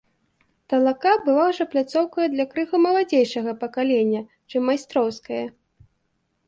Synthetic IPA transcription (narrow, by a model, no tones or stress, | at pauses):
t̪ɐlˠakabɨvawʐɐplʲat̪sɔwkɐjɐd̪lʲɐkɾɨɣumɐlˠad͡zʲejʂɐɣɐpɐkalʲenʲːɐ | t͡ʂɨmːajst̪ɾɔwskɐjɐ